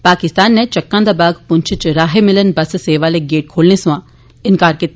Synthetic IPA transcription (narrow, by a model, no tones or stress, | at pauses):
paːkɪst̪aːnːet͡ʃɐkːãːd̪abaːɡpʊ̃nt͡ʃʰɪt͡ʃɾaːɦemɪlənbɐsseːʋaːleɡeːʈ̚kʰoːlnesʋãː | ɪnkaːɾkɪt̪